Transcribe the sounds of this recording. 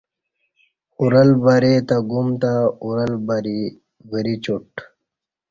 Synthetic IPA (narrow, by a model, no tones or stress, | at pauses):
uɾəlbaɾet̪aɡumt̪auɾəlbəɾi | bəɾit͡ɕuʈ